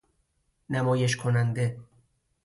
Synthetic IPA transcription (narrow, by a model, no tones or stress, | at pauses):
næmɒːjeʃkʰonænd̪e